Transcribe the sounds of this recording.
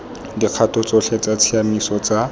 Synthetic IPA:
diq͡χʰatʰɔt͡sɔɬʰɛt͡sat͡sʰiamisɔt͡sa

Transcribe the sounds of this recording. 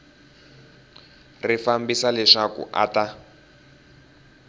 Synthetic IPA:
rifambisalɛʂakṵʔa̰ta

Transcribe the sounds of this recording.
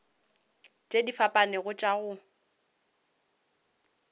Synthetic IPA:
t͡ʃʼedifapʼanɪɣʊt͡ʃʼaɣʊ

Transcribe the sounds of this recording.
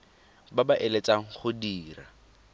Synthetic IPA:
babaʔelet͡sʼaŋ̩χʊdiːra

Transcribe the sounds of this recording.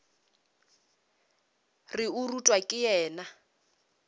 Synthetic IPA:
rɪurutʼwakʼɪjɛːna

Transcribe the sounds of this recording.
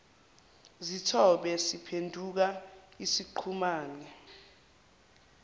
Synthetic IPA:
zitʰɔɓɛsipʰendʱuk̬aisiǃʰumaːnɛ

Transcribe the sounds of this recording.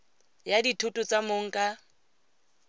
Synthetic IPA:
jaditʰʊtʼʊt͡sʼamoŋ̩kʼa

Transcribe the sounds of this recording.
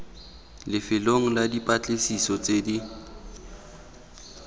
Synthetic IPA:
lɪfɪloŋ̩ladipʼat͡ɬʼɪsisɔt͡sʼedi

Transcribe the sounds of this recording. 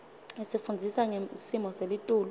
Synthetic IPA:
esifundʱisaŋesimɔselitʼuːl

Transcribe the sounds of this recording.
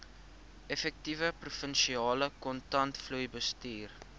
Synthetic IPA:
ɛfɛk̚tivəprufənʃiɑːləkɔntɐntflujbəstiːr

